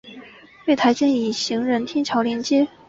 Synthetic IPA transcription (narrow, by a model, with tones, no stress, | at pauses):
twe˥˩ɪt̪ʰa˧˥ɪt͡ɕjɛ˥ni˨˩ɕi˧˥ŋɻə˧˥nt̪ʰjɛ˥nt͡ɕʰjɑ˧˥ʊljɛ˧˥nt͡ɕjɛ˥